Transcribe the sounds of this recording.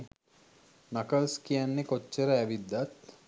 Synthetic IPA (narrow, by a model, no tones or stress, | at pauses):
nakəlskijanːekot͡ʃːeɾəæʋid̪ːat̪̚